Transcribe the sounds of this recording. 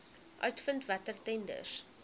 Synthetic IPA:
ʔœɥtfəntvætərtɛndə̰rs

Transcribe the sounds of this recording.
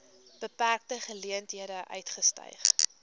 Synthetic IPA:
b̥əpærk̚təχəliəntɦiədəʔœ̰ɥtχəstœ̰jχ

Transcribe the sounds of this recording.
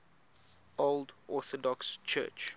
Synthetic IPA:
oldʔɔθɔdɔkst͡ʃʰɜ̰ːt͡ʃ

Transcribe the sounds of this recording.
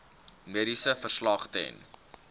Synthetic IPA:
miəɾisəfərslɑχtɛ̰n

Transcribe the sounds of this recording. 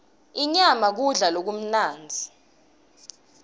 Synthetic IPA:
iɲamak̬uɮalok̬um̩naːnd͡zʱi

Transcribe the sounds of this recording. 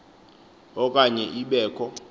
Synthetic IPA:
ɔkʼaɲɛʔiɓɛːkʰɔ

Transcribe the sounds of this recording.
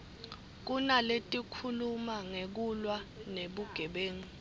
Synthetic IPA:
k̬unaletʼikʰulumaŋek̬ulwaneɓuɡ̥ʱɛɓeːŋi

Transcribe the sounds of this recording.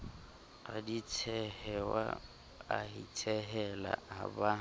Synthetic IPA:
adit͡sʰɛhɛwa̰ | ahit͡sʰɛɦɛla̰aba

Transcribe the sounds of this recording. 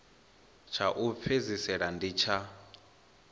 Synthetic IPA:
t͡ʃʰaʔup̪fʰezisɛɺandit͡ʃʰa

